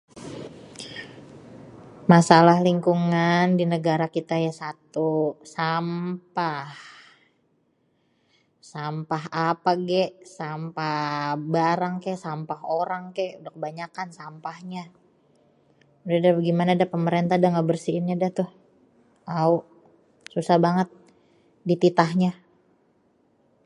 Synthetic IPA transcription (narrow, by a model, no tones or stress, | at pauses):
masalahliŋkuŋandinəɡaɾakit̪ajasat̪usampah | sampaɦapaɡɛʔsampahbaɾaŋkajʔsampaɦoɾaŋkajʔudakəbaɲakansampahɲa | udadaɡimanadapəməɾent̪adaŋɡabərsinadat̪ʊh | auʔ | susahbaŋət̪̚ | dit̪it̪ahɲa